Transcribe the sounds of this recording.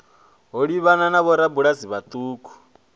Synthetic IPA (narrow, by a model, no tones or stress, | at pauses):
ɦoɺiβananaβɔɾabuɺaziβat̪ʼuːkʰu̥